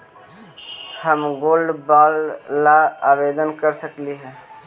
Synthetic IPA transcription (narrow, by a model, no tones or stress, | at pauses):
həmɡolɖbalːaabed̪ənkəɾsəkliɦɛ̃